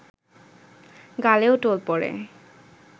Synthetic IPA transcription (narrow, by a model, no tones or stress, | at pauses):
ɡaleoʊʈolpɔɹḛ